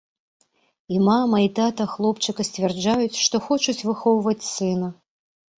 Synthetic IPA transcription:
imamɐit̪at̪ɐxlˠɔpt͡ʂɨkɐsʲt͡sʲvʲɛrd͡ʐajut͡sʲʂt̪ɔxɔt͡ʂut͡sʲvɨxɔwvɐt͡sʲsɨnɐ

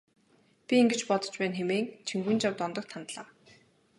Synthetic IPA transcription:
pʲiiŋɡɘ̆t͡ɕpɔt̪ɞ̥̆t͡ɕpæːnxemeːŋt͡ɕʰiŋɡuːnt͡ɕawt̪ɔnt̪ɞ̆k̚t̪ʰːant̪ɮaː

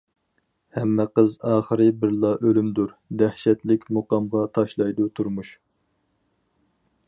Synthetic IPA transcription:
hɛmːɛqəzɑːχəɾɨbɪɾlˠɑʔølymd̪uɾd̪æhʃɛt̪lɪkʲmoqɑmʁɑt̪ʰɑʃlˠɑjd̪ut̪ʰuɾmuʃ

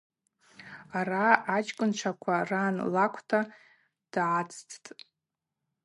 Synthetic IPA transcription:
araːt͡ʃkʼʊnʈ͡ʂʷʰakʷʰaranlakʷʰtʰa | d̥ʕat͡sʰʼtʰʼtʼ

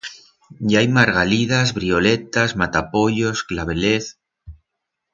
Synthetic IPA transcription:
ɟ͡ʝajmaɾɣaliðazβɾiolet̪azmat̪apo̞ʎo̞sklaβ̞eleθ

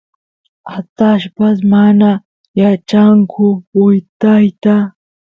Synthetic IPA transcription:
at̪aʃpas̬mana | jat͡ʃaŋkʰʊʊjt̪ajt̪a

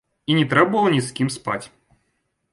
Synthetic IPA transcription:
inʲɪt̪ɾɛbʊvəlˠənʲɪskʲimspa̰tʲ

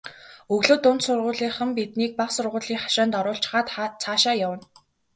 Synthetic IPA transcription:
ɵɣɮoːt̪ʊnt̪sʊrʁʊːɮiːχə̆mpit̪niːk̚paχsʊrʁʊːɮiːŋχḁʃaːnt̪ɔɾʊːɬt͡ɕ̆χaːt̪t͡sʰaːʃaːjawə̆n

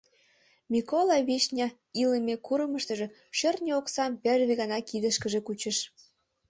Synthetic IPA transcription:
mʲikolɑβiʃnʲɑ | ilemekuɾəməʃt̪ə̆ʒĕ | ɕərnʲəoksɑmperβiɣɑnɑkid̪əʃkəʒĕkut͡ɕə̆ʃ

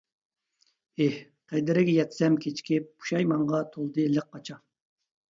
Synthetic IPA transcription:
eh | qʰejd̪ɪɾɪɡʲɛjɛt̪sɛmkʲʰet͡ʃkʲip̚b̥u̥ʃɑjmɑɴʁɑt̪ʰolˠd̪ɨlɨq̚ːɑt͡ʃʰɑ

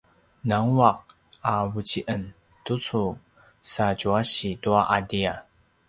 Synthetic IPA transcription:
naŋwaq̚ | avut͡ɕiʔən | tut͡su | sad͡ʒuaɕituaʔadia

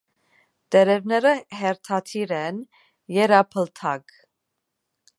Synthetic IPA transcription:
t̪ɛɾɛvnɛɾəɦɛɾt̪ʰɑt̪ʰiɾɛn | jɛɾɑpʰəlt̪ʰɑɡ

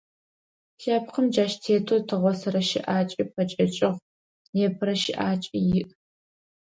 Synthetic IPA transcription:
ʃaːpqəmd͡ʒaːʃtʰeːtʰotʰɨʁʷɔsɐɾɐʃɪ̰ʔaːt͡ʃʼipʰɐt͡ʃʼɐt͡ʃʼɪʁ | neːpʰɨɾɐʃɪʔaːt͡ʃʼijɪʔ

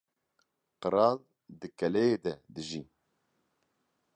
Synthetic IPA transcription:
qəɾɑːl | d̪ɨkɛlɛjed̪ɛd̪ɨʒi

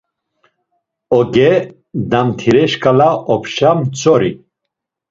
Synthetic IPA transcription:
ɔɡɛ | d̪amt̪ʰiɾɛʃkʼalaʔɔpʰʃamt͡sʰʼɔɾi

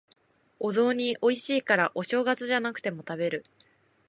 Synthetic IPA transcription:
o̞zo̞ːɲ̟iʔo̞iɕiːkaɾaʔo̞ɕo̞ːɡat͡sɨʑanakɯ̟̥t̪e̞mo̞t̪abe̞ɾɯ̟

